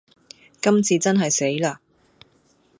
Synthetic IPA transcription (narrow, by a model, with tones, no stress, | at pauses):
kɐ˥mt͡sʰiː˧t͡sɐ˥nɦɐ˨jse˨˥jlaː˧